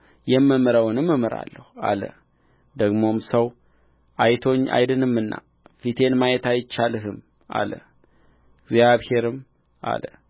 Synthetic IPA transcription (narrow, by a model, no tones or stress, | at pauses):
jɛmːɨmɨɾəwnɨmːɨmɨɾa̰lːəhua̰lə̰ | d̪əɡmo̞msəw | ʔajt̪ʰo̞ɲːʔa̰jd̪ɨnɨmːɨnːa̰ | fit̪ʰe̞nmajɛt̪ajɪt͡ʃːalɨɦɨm | ʔa̰lə | ɡzjaβhe̞ɾɨm | ʔa̰lə